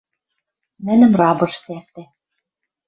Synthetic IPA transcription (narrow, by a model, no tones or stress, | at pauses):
mænɘ̆mrɑbɤ̆ʃsært̪æ